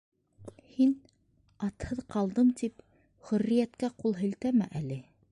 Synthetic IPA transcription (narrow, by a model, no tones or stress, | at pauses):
hin | ɑt̪hɤðqɑlˠd̪ɤmt̪ip | χɵ̆rːijæt̪kæqulˠɦɘ̆lt̪æmæ̰ʔælɘ